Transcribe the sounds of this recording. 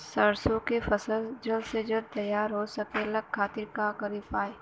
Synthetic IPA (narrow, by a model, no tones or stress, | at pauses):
səɾsõkefɐsəld͡ʒəlsed͡ʒəlt̪ɐjaːɾɦosɐkeləkʰːaːt̪ɪɾkakɐɾiːpaːeː